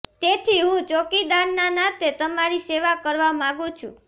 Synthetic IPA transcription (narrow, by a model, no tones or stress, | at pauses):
t̪et̪ʰiɦũt͡ʃokid̪aɾnanat̪et̪əmaɾiseʋakəɾʋamãɡũt͡ʃʰṵ̃